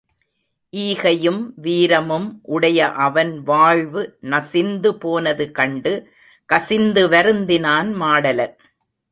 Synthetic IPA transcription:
ʔiːɣɐjɯmʋiːɾɐmɯmʔʊɽɐjɐʔɐʋɐnʋaːɭʋɯnɐsɪnd̪ɯpoːnɐðɯkɐɳɖɯ | kɐsɪnd̪ɯʋɐɾɯnd̪ɪnaːnmaːɽɐlɐɾ

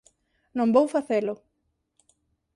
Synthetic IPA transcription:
nõmbowfaθelʊ

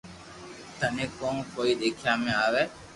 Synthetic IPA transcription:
t̪ənẽːkõːnkoːiːɗ̪eːkʰjãːmẽːaːʋeː

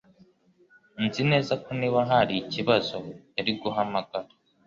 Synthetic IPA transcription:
nzine̞ːzakoniːβaɦaɾiciβazo̞jaɾiɡuɦamaɡaɾa

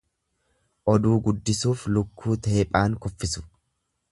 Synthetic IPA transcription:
ʔɔd̪uːɡʊd̪ːɪsuːflʊkːuːt̪e̞ːpʼaːŋkɔfːɪsʊ̥

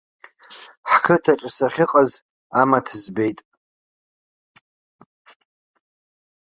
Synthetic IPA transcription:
ħkʰɨtʰaʈ͡ʂʼasaχʲɪqʼaz | amatʰzbe̞jtʼ

